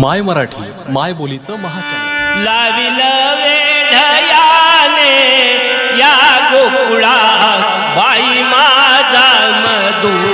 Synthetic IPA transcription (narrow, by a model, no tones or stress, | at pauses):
majməɾaʈʰḭː | majbolit͡səməɦat͡ɕallaʋiləʋeɖʱəjane | jakok | ɭa | ba | i | mad͡za | mə | d̪u